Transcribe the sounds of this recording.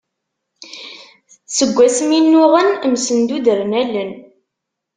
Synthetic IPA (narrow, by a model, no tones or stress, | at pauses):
səɡʷːæsəminːʊʁənmsənd̪ud̪əɾnælːən